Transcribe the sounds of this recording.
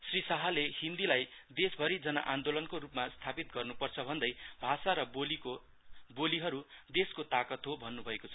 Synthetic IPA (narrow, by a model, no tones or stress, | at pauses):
srisaɦʌlehind̪ilajd̪esbʱʌɾid͡zʌna̰ʔand̪olʌnkorupmast̪ʰapit̪̚ɡʌrnupʌrt͡sʰʌbʱʌnd̪ʌjbʱasaɾʌboliko | boliɦʌɾud̪eskot̪akʌt̪ɦobʱʌnːubʱʌekot͡sʰʌ